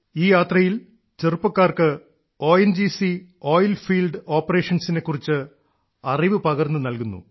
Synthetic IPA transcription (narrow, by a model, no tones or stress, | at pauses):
iːjaːt̪rɐjil | t͡ɕerupːɐkːaːrkɨ | o̞ːjend͡ʑisio̞ːjlfiːlɖo̞ːpːɐre̞ːʂɐnsine̞kːurit͡ɕːɨ | ɐriʋɨpɐɣɐrnːɨnɐlkunːṵ